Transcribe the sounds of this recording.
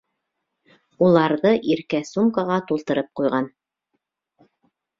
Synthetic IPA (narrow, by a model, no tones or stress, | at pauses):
ulˠɑɾðɤʔiɾkæsumkɑʁɑt̪ulˠt̪ɤ̆ɾɤp̚qujʁɑn